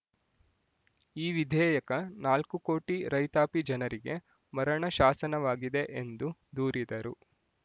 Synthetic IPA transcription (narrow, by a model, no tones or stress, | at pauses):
iːʋid̪ʱɛːjɐkɐnaːlkuko̞ːʈiɾɐjt̪aːpid͡ʒɐnɐɾiɡe̞ | mɐɾɐɳɐʃaːsɐnɐʋaːɡid̪e̞ʔend̪ud̪uːɾid̪ɐɾu